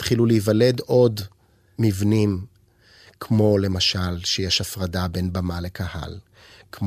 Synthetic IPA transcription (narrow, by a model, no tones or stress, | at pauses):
t̪χiluleivale̞do̞d | mivnim | kʰmo̞le̞maʃalʃejeʃafʁadabe̞nbamale̞kʰaha̰l | km